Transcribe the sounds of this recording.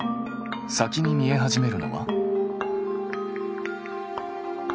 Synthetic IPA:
sakʲiɲ̟imʲie̞ɦaʑime̞ɾɯ̟no̞̰βa̰

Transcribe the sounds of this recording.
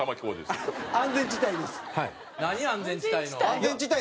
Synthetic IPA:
amakʲd̪esãnd͡zẽ̞ɲd͡ʑit̪aid̪esɨ̥hai | naɲiãnd͡zẽɲd͡ʑit̪ainoãnzẽɲd͡ʑit̪ːai

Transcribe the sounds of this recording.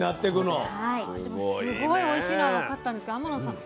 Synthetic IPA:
nat̪ːe̞kɯ̟nohait̪emsɨɡoioiɕiːnaβakat̪ːãnd̪eskoamanosãŋ

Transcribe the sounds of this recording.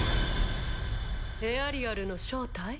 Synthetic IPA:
eaɾʲiaɾɯ̟no̞ɕo̞ːt̪ai

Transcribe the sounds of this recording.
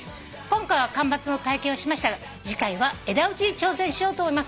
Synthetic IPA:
ɨ̥ | kõ̞ŋkaiβakãmbat͡sɨno̞t̪aikẽ̞ɰoɕimaɕi̥t̪aɡa | d͡ʑikaiβae̞d̪aɯ̟t͡ɕiɲt͡ɕo̞ːsẽɕijo̞ːt̪oːmoimas

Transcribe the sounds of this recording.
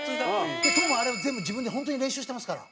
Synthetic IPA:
t̪ek̪ʰomaːɾebazemod͡ʑibɯ̃nd̪eɦõnt̪oːɲiɾẽñɕuːɕi̥t̪emasɨ̥kaɾa̰

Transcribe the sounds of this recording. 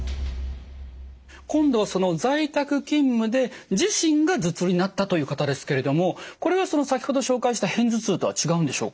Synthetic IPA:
kõ̞nd̪o̞βaso̞no̞d͡zait̪akɯ̟kʲĩmːɯ̟d̪e̞d͡ʑiɕĩŋɡad͡zɨt͡sɨɾʲinat̪ːat̪o̞jɯ̟ːkat̪ad̪e̞sɨ̥ke̞ɾe̞d̪o̞mo̞ko̞ɾe̞β̞aso̞no̞sakʲi̥ho̞d̪oɕo̞ːkaiɕi̥t̪ahẽ̞nd͡zɨt͡sɨːt̪o̞βa̰t͡ɕiɡaɯ̃nd̪e̞ɕo̞̰ːkḁ

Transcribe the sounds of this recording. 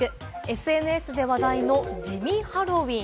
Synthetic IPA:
ɯ̟ | e̞sɨe̞nɯ̟e̞sɨd̪e̞βad̪aino̞d͡ʑimʲĩhaɾo̞βʲĩ

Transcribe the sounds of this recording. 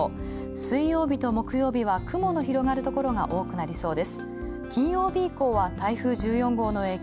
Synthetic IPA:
sɨijo̞ːbʲit̪o̞mo̞kɯ̟jo̞ːbʲiβakɯ̟mo̞no̞çiɾo̞ŋaɾɯ̟t̪o̞ko̞ɾo̞ŋa̰ʔo̞ːkɯ̟naɾʲiso̞ːd̪e̞sɨ̥ | kʲĩɰ̃jo̞ːbʲiːko̞ːβat̪aiɸɯ̟ːʑɨːjõ̞ŋɡo̞ːno̞e̞ː

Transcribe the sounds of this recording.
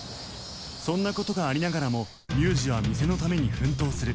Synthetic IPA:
sõ̞nːako̞t̪o̞ɡaːɾʲinaɡaɾamo̞ | mʲɨːʑiβamʲise̞no̞t̪ame̞ɲ̟iɸɯ̟̃nt̪̬o̞ːsɨɾɯ̟

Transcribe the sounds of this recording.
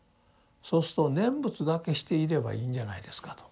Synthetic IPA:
so̞ːsɨ̥t̪o̞nẽ̞mbɯ̟t͡sɨd̪ake̞ɕi̥t̪e̞iɾe̞ba̰iːɲd͡ʑana̰id̪e̞sɨ̥kḁt̪o̥

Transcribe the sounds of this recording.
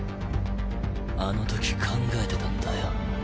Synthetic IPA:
ano̞t̪o̞kʲi̥kʰãŋɡae̞t̪e̞t̪ãnd̪ajo

